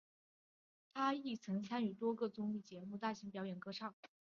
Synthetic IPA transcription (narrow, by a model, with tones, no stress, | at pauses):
t̪ʰa˥i˥˩t͡sʰɤ˧˥ŋt͡sʰa˥ny˨˩t̪wɔ˥ɡɤ˥˧t͡sʊ˥ŋli˥˩t͡ɕjɛ˧˥mu˥˧t̪a˥˩ɕi˧˥ŋpjɑ˧˥ʊjɛ˨˩nkɤ˥˧ʂɑ˥˩ŋ